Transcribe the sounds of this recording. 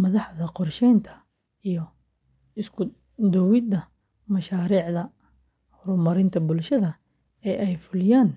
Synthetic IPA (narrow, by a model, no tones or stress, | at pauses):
mɐðɑħðɐqɔrʃɛjnt̪ʰɐ̥ | ijɔ | ɪskʰʊ | d̪ɔwɪd̪ɐ | mɐʃaːɾiːʕðɐ | hʊɾʊmɐɾɪnt̪ʰɐbʊlʃɐðɐ | ɛːʔɛjfʊlɪjaːn